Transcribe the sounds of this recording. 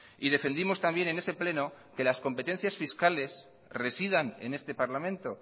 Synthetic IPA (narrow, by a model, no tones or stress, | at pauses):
iðe̞fe̞nd̪imo̞st̪ambje̞ne̞ne̞se̞ple̞no | ke̞lasko̞mpe̞t̪e̞n̟θjasfiskale̞s | re̞siðane̞̰ne̞st̪e̞paɾlamẽnt̪o̞